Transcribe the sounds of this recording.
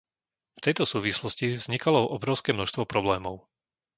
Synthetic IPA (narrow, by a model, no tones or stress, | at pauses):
ft̪ɛjt̪ɔsuːʋislɔscivz̥ɲikalɔʔɔbɾɔʊskɛːmnɔʃst̪ʋɔpɾɔblɛːmɔʊ